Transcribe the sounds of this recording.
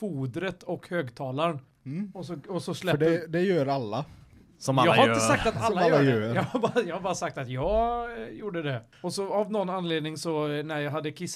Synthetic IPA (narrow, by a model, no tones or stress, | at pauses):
fuːd̪ɾət̪ɔkhøːɡt̪ʰɑːlaɾn | ɔsɔɔsɔslɛɖɛd̪ɛjøːɾalːa | sɔmjɑːaɾɪt̪əsak̚t̪at̪alːajːajøɛːjɑhabjɑːɡhaɾbɑːɾasak̚t̪at̪jɑːɡjuːɖəd̪ɛ | ɔsɔavnɔnːanːleːd̪nɪŋsɔnæɾjɑːɦad̪ːəkʰɪsː